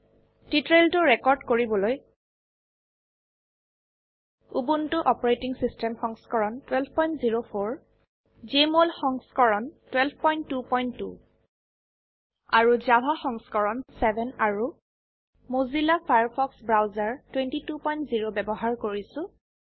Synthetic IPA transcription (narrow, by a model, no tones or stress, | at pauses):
titɹeltʊɹɛkɔɹdkoɹibɔloj | ubuntʊʔɔpɔɹetiŋsistɛmxɔŋskɔɹɔntwɛlbʱpɔjntziɹopʰoɹ | zemolxɔŋskɔɹɔntwɛlb̚ʱpɔjntːupɔjntːṵ | aɹuzabʱaxɔŋskɔɹɔnsɛbʱɛnaɹu | mozilapʰajaɹpʰɔksbɹawzaɹtwentitupɔjntziɹobɛbɔɦaɹkoɹisʊ̃